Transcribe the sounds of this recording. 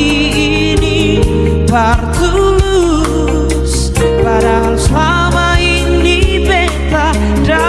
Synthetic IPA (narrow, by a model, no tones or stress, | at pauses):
i | i | ni | paɾt̪u | lu | s | paɾa | sla | mainː | ibɛnt̪a | ɾa